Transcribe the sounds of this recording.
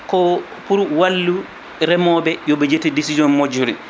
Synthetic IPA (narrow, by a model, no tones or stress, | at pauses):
kɔ | puɾwalːu | ɾɛmɔbɛjɔbɛd͡ʒetidisid͡ʒɔnmod͡ʒuɾḭn